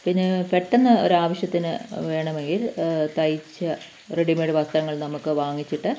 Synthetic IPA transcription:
pinːe̞peʈːenːɐo̞̰ɾuaːʋɐɕjɐt̪ːinɨʋe̞ːɳɐme̞ŋɡilt̪ɐjt͡ɕːɐ | reɽimeɽeʋɐst̪ɐɾɐŋːɐɭnɐmukːɨʋaːŋːit͡ɕːiʈːɨ

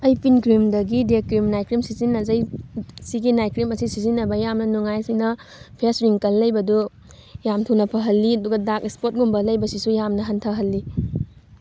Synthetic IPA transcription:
ɐjpʰinkɾimdɐɡidekɾimnajkɾimsizinːɐzɐjsiɡinajkɾimɐsisizinːɐbɐjamnɐnuŋajsinɐpʰesɾiŋkɐlːɐjbɐdu | jamtʰunɐpʰɐɦɐlːiɐduɡɐdakispot̚ɡumbɐlɐjbɐsisujamnɐɦɐntʰɐɦɐlːi

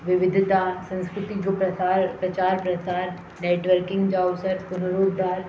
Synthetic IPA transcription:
ʋɪʋɪd̪ʱt̪asɐ̃ñskɾʊt̪id͡ʒopɐpɾɐt͡ʃaːɾpɾɐt͡ʃaːɾ | neːʈʋəɾkɪ̃ŋɡd͡ʒaːwsəɾkʊnɐɾoːd̪ːaːɾ

